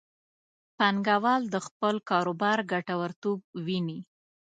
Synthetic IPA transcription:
paŋɡawɑld̪əxpəlkɑɾobɑɾɡaʈawaɾt̪ob̚wini

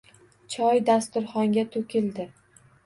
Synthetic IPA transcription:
t͡ʃʰɒjd̪ast̪ʊɾχɒŋɡʲat̪ʰɵkʲɪld̪ɪ

